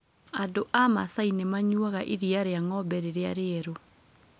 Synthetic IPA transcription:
adoʔama̰sainemaɲwaɣaʔiɾiaɾeaŋɔbɛɾeɾea̰ɾeɛɾo

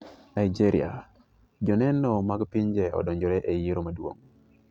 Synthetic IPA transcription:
naid͡ʒiɾḭa̰ | d͡ʒɔnɛnɔmaɡpiɲd͡ʒɛɔ̰dɔɲd͡ʒɔɾɛʔejiɾomadwo̰ŋ

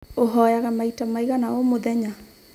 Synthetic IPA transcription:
oɦɔjaɣamaitamaiɣanaomoðɛɲa

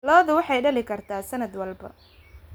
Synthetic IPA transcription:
lɔːðʊwɑħɑjɖɐlɪkʰɐrt̪ʰaːsɐnɐd̪wɐlbɐ̰

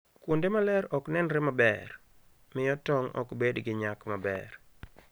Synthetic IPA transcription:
kwondemalɛɾɔknɛnɾɪmabɛr | mɪjɔtɔŋɔ̰kbedɡɪɲakmabɛ̰r

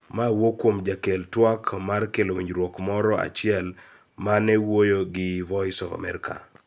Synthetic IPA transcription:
mawokwomd͡ʒakeltwakmarkelowiɲd͡ʒɾwɔkmɔɾɔa̰t͡ʃɪɛl | manɛwojoɡɪvɔɪsɔva̰mɛɾɪka̰

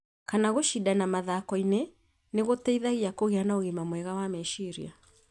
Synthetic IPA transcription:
kanaɣoʃidanamaðaːkɔinɛ | neɣotɛiðaɣiakoɣeanaoɣimamwɛɣawamɛʃiɾḭa

